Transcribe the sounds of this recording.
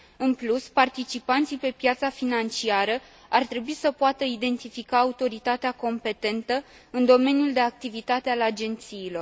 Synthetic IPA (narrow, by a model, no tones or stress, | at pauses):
ɨnpluspart̪it͡ʃipant̪sipe̞pjat̪safinant͡ʃiaɾə | art̪ɾe̞buisəpoat̪əid̪e̞nt̪ifikaːut̪o̞ɾit̪at̪eako̞mpe̞t̪e̞nt̪ə | ɨnd̪o̞me̞njuld̪e̞ak̚t̪ivit̪at̪ealad͡ʒe̞nt̪siːlo̞r